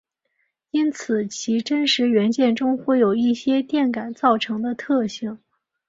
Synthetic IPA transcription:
i˥nt͡sʰɹ̩˨˩˦t͡ɕʰi˧˥ʈ͡ʂə˥nʂɻ̩˧˥ɥɛ˧˥nt͡ɕjɛ˥˩nʈ͡ʂʊ˥ŋxwe˥˩ɪjo˨˩ʊi˥˩ɕjɛ˥t̪jɛ˥˩nka˨˩nt͡sɑ˥˩ʊʈ͡ʂʰɤ˧˥ŋd̪ə˧t̪ʰɤ˥˧ɕi˥˩ŋ

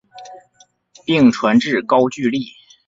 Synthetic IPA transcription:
pi˥˩ŋʈ͡ʂʰwa˧˥nʈ͡ʂɻ̩˥˩kɑ˥ʊt͡ɕy˥˧li˥˩

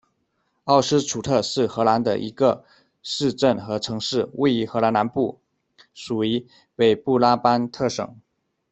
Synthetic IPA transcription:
ɑ˥˩ʊʂɻ̩˥ʈ͡ʂʰu˨˩t̪ʰɤ˥˧ʂɻ̩˥˩xɤ˧˥la˧˥nd̪ə̰˧ʔḭ˧˥ɡə˧ | ʂɻ̩˥˧ʈ͡ʂə˥˩nxɤ˧˥ʈ͡ʂʰɤ˧˥ŋʂɻ̩˥˩we˥˩ɪi˧˥xɤ˧˥la˧˥na˧˥npu˥˩ | ʂu˨˩i˧˥ | pe˨˩ɪpu˥˩la˥pa˥nt̪ʰɤ˥˩ʂɤ̰˨˩˦ŋ

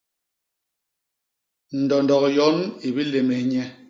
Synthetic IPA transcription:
n̩˨dɔ˨n˨dɔ˨kjɔ˨˦ni˨bi˦le˨me˨˦ɲɛ˦

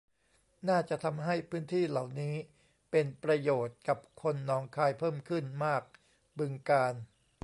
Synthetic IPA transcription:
naː˥˩t͡ɕa˨˩ʔt̪ʰa˧mɦa˥˩jpʰɯː˦˥nt̪ʰiː˥˩la˨˩wniː˦˥ | pe˧npɾa˧joː˨˩t̪̚ka˨˩p̚kʰo˧nːɔː˧˥ŋkʰaː˧jpʰɤː˥˩mkʰɯ˥˩nmaː˥˩k̚ | bɯ˧ŋkaː˧n

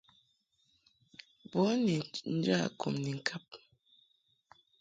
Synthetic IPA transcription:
bɔ˨˦ni˨n̩˦d͡ʒa˦˨kʰo̰˨mni˨ŋ̩˨kʰa˦p̚

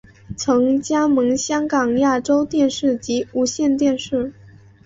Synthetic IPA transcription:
t͡sʰɤ˧˥ŋt͡ɕja˥mɤ˧˥ŋɕjɑ˥ŋkɑ˨˩ŋja˥˩ʈ͡ʂo˥ʊt̪jɛ˥˧nʂɻ̩˥˩t͡ɕi˧˥u˧˥ɕjɛ˥˧nt̪jɛ˥˧nʂɻ̩˥˩

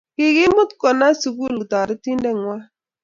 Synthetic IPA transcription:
kɪ˨ɡɪ˦mʊ˦t̪kɔ˨na˦su˨ɡu˦ltɔ˨ɾɪ˦ti˦ndɛ˦˨ŋwa˦

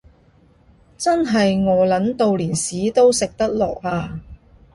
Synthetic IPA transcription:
t͡sɐ˥nɦɐ˨jŋɔː˨˧lɐ˨˥nt̪o˨wliː˨˩nsiː˨˥t̪o˥wsɪ˨k̚t̪ɐ˥k̚lɔ̰ː˨k̚haː˧

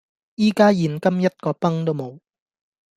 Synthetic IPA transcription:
jiː˥kaː˥jiː˨˩nkɐ˥mjɐ˥t̚kɔː˧pɐ˥ŋt̪o˥wmo˨˧w

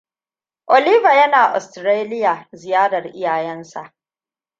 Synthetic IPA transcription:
ʔo˨liː˦va˨jɐ˦naː˨ʔɔ̰˨stɾeː˦lɪ˦jaː˨zɪ˨jaː˦ɽɐ˨rʔɪ˦jaː˨jɛ˦nsa˨ʔ

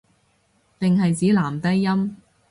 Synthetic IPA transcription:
t̪ɪ˨ŋɦɐ˨jt͡siː˨˥laː˨˩mt̪ɐ˥jːɐ˥m

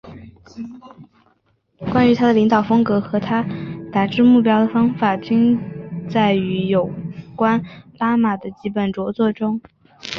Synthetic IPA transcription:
kwa˥ny˧˥t̪ʰa˥d̪ə˨li˧˥ŋt̪ɑ˨˩ʊfɤ˥ŋkɤ˧˥xɤ˧˥t̪ʰa˥t̪a˨˩ʈ͡ʂɻ̩˥˧mu˥˩pjɑ˥ʊd̪ə˨˩fɑ˥ŋfa˨˩t͡ɕi˥ŋt͡sa˥˩ɪy˧˥jo˨˩ʊkwa˥npa˥ma˨˩d̪ə˦t͡ɕi˧˥pə˨˩nʈ͡ʂwɔ˧˥t͡swɔ˥˩ʈ͡ʂʊ˥ŋ

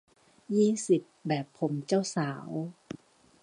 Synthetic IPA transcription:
jiː˥˩si˨˩p̚bɛː˨˩pʰːo˩˦mt͡ɕa˥˩wsaː˩˦w

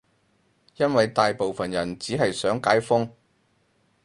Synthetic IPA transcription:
jɐ˥nwɐ˨jt̪aː˨jpo˨wfɐ˨njɐ˨˩nt͡siː˨˥ɦɐ˨jsœː˨˥ŋkaː˨˥jfʊ˥ŋ

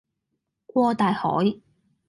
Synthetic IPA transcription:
kʷɔː˧t̪aː˨jhɔ̰ː˨˥j

